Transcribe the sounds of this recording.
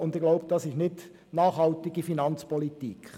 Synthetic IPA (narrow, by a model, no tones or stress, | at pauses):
ʊnd̪ɪɡ̥loʊbəd̥ɑsɪʃnɪt | nɑːχhɑltiɡ̥ifinɑnt͡spɔlit̪ik